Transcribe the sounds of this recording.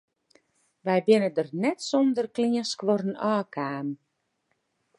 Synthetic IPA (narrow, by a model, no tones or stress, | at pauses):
ʋɛjbɪnədərnɛtsɔndərkliəskʋɔɾənɔːkʰaːm